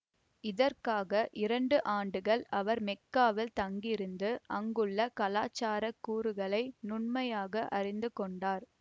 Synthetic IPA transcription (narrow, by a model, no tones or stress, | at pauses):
ɪðɐrkaːɣɐʔɪɾɐɳɖɯʔaːɳɖɯɣɐɭɐʋɐɾmɛkːaːʋɪlt̪ɐŋɡɪɾɯnd̪ɯʔɐŋɡɯɭːɐkɐlaːt͡ʃːaːɾɐkːuːɾɯɣɐɭɐɪnʊɳmɐjaːɣɐʔɐrɪnd̪ɯkɔɳɖaːɾ